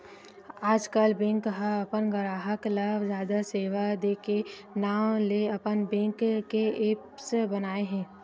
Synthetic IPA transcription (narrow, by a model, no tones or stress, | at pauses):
aːd͡ʒkəlbẽŋkɦaɐpənɡəɾaːɦəklazjaːd̪aseːʋad̪eːkenaːwleɐpənbɛ̃ŋkkeepsbɐnaːeɦɛ̃ː